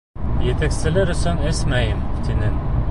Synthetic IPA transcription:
jet̪æksɘ̆lɘɾɵ̆sɵnɘsmæjɘmt̪inɘn

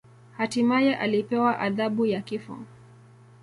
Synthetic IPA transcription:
hatimajɛʔalipɛwaʔaðaɓujakifɔ̰

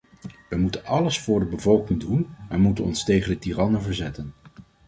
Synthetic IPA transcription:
ʋəmutənɑləsfʊːɹdəbəvɔlˠkɪŋdunɛnmutənɔ̰nstejχəndətiːrɑnənvəɹzɛtən

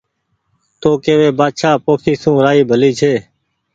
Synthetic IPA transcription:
t̪oːkeːʋeːbaːd̪ʃaːpoːkʰiːsũːɾaːiːbʱəliːt͡ʃʰeː

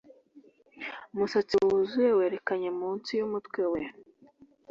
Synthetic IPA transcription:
musat͡siuzujewe̞ːɾe̞kaɲe̞muːnsijumutwewe

